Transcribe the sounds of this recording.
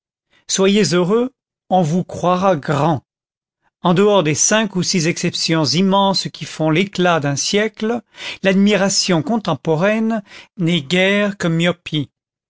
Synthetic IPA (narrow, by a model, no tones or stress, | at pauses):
swajezøʁø | ɔ̃vukχwaʁaɡʁɑ̃ | ɑ̃d̪əɔʁd̪esɛ̃kusizɛksɛpsjɔ̃zimɑ̃skʲifɔ̃leklad̪ɛ̃sjɛkllad̪miʁasjɔ̃kɔ̃t̪ɑ̃pɔʁɛnnɛɡʲɛʁkəmjɔpi